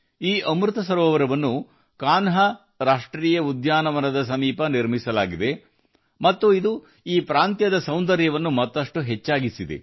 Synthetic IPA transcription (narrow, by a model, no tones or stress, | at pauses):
iːʔɐmɾut̪ɐsɐɾɔːʋɐɾɐʋɐnːu | kaːnɦɐ | ɾaːʂʈɾiːjɐud̪jaːnɐʋɐnɐd̪ɐsɐmiːpɐniɾmisɐlaːɡid̪e̞ | mɐt̪ːuid̪u | iːpɾaːnt̪jɐd̪ɐsɐwnd̪ɐɾjɐʋɐnːumɐt̪ːɐʂʈuɦet͡ʃːaːɡisid̪e̞̰